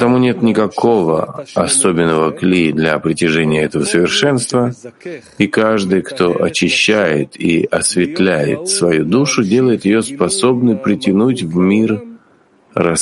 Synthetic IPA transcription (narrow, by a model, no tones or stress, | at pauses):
t̪ɐmunʲe̞t̪nʲɪkɐkʰo̞və̰ɐso̞bʲɪnːəvəklʲid̪lʲɐpɾʲɪtʲɪʐɛnʲɪjəɛt̪əvəsəvʲɪrʂɛnst̪və | ikaʐd̪ɨjkt̪o̞ʔɐt͡ɕɪɕːæjɪ̰t̪ʰḭɐsvʲɪt̪lʲæjɪ̰t̪svɐjud̪uʂʊdʲelˠəjɪt̪jɪjo̞spɐso̞bnɨpɾʲɪtʲɪnutʲvmʲir | rɐ